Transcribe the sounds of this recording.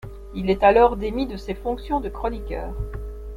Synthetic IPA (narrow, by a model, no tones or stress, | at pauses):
ilɛt̪alɔʁd̪emid̪əsefɔ̃ksjɔ̃d̪əkχɔnikʲœ̰ːʁ